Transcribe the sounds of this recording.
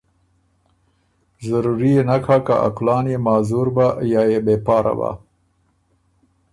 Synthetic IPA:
zaɾuɾijenakʰakaʔa̰klɑːnjemɑzuɾbajɑːjebepɑːɾa̰ba̰

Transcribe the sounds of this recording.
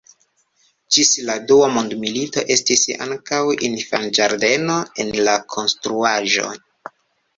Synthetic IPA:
d͡ʒisladuamondmilito̞ʔe̞stisa̰ŋkawinfand͡ʒaɾde̞no̞e̞nlakʰo̞nstɾuaʒo̞̰

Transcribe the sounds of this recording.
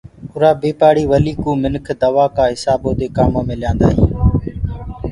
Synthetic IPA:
ʊɾaːbeːpaːɽiːʋəliːkũːmɪnkʰd̪əʋaːkãːɦɪsaːbõːd̪eːkaːmoːmẽːlɪjãːnd̪a̰ːɦḭ̃ː

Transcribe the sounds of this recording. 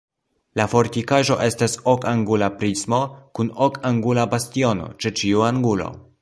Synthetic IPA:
lafo̞ɾtikaʒo̞ʔe̞staso̞kaŋɡulapɾismo̞kuno̞kʰaŋɡulabastio̞no̞̰t͡ʃe̞t͡ʃiuaŋɡulo̞̰

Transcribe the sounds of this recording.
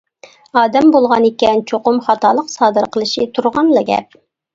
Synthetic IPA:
ɑːd̪ɛmbolˠʁɑnekʲɛnt͡ʃʰoqʊmχɑt̪ɑːlˠəqsɑːd̪əɾqʰəlˠɨʃit̪ʰuɾʁɑnlˠɑɡʲɛ̰p̚

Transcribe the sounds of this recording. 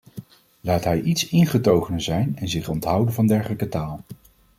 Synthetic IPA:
laːtɦɛjʔitsɪnχətowχənəzɛjnɛnzɪχɔntɦʌwdənvɑndɛɹχələkətaːlˠ

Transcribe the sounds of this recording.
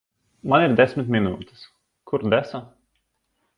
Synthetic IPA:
maniɾd̪ʲɛsʲmʲɪt̪ʲmʲinuːt̪ʲɛ̥s | kʰuɾd̪ɛsa

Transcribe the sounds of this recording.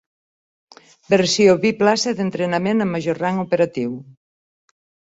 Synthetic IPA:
beɾsjoβiplasɐðent̪ɾenamẽnɐmaʒoɾraŋopeɾat̪iw

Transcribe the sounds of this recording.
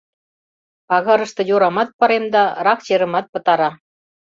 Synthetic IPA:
ɑɣɤ̆ɾɤ̆ʃt̪ɤ̆juɾɑmɑt̪̚pɤɾemd̪ɑɾɑxt͡ɕeɾə̆mɑt̪̚pɤ̆t̪ɑɾɑ

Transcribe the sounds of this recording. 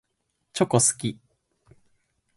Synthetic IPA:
t͡ɕokosɨ̥kʲi

